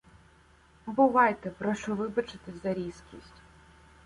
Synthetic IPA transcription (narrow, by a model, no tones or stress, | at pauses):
bʊʋɑjt̪ɛpɾɔʃɔʋɪbɐt͡ʃɪt̪ɪzɐɾʲiskʲisʲtʲ